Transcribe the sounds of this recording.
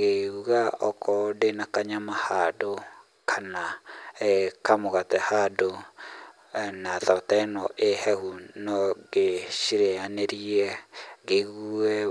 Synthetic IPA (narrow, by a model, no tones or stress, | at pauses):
ɣeuɣaɔkʰɔdenakaɲamahado | kʰana | kamoɣatɛhado | naðatanɔʔehɛhunɔɡeʃiɾeaneɾiɛɣeɣuɛ